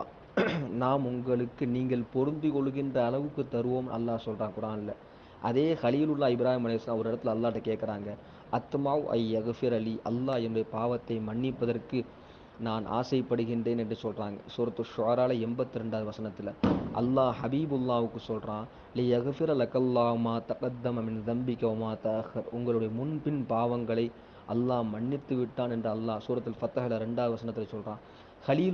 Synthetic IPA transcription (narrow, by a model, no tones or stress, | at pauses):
naːmʊŋɡɐɭɯkːɯniːŋɡɐɭpɔɾɯnd̪ɯkɔɭɯɣɪndrɐːɭɐʋɯkːɯt̪ːɐɾɯʋoːmɐ̰lːaːsɔlraːnkʊɾaːnɪlːɐ | ʔɐðeːxɐlijlʊlːaːɪbɪɾaːhimɐlɐsãːɔɾɪɽɐt̪ːɪlɐlːaːʈːɐkeːʈkɐɾaːŋɡɐ | ʔɐt̪maʔɐ̰jːɐɣfɪɾɐliʔɐlːaːɛnʊɽɐjɐpaːʋɐt̪ːɐɪmɐɳːɪpːɐðɐrkɯ | naːnʔa̰ːsɐɪpːɐɽɯɣɪndreːnɛndrɯsɔlraːŋɡɐsuːɾɐt̪ːɯʃʊʕɐɾaːlɐɛmbɐt̪ːɯɾɛɳɖaːðɯʋɐsɐnɐt̪ːɪlɐʔɐ̰lːaːħɐbiːbɯlːaːʋɯkːɯsɔlrãːn | lɪjɐɣfɪɾɐlɐkɐlːaːɦʊmaːt̪ɐqɐd̪ːɐmɐmɪnðɐmbɪkːɐmaːt̪ɐːxɐɾʊŋɡɐɭɯɽɐjɐmʊnpɪnpaːʋɐŋɡɐɭɐɪ | ʔɐlːaːmɐɳːɪt̪ːɯʋɪʈːaːnɛndrɯɐlːaːsuːɾɐt̪ːɪlfɐt̪ɐɦɐlɐɾɛɳɖaːðɯʋɐsɐnɐt̪ːɪlɐsɔlraːn | xɐliːl